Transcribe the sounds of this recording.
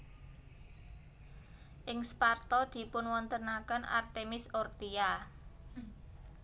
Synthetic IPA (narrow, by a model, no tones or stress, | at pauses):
ʔɪŋspart̪ɔd̪̥i̤pʊnwɔnt̪ənakəna̰rt̪emɪsɔrt̪ia